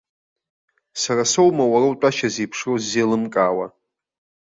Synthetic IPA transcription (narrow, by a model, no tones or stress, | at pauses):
sarasowmawarawtʼaʃazejpʰʂrozːelɨmkʼaːwa